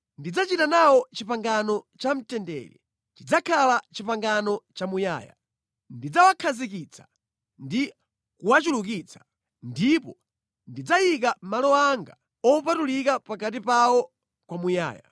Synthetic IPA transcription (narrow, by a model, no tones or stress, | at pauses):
ndid͡zat͡ʃitanawɔt͡ʃipaŋɡanɔt͡ʃam̩tɛndɛ̰ːɾɛ̰ | t͡ʃid͡zakʰalat͡ʃipaŋɡanɔt͡ʃamuja̰ːja̰ | ndid͡zawakʰazik̬it͡sʰḁ | ndi | kuwat͡ʃuluk̬it͡sʰḁ | ndipɔ | ndid͡zajik̬amalɔaŋɡa | ɔpatulikapakat̬ipawɔ | kwamuja̰ːja̰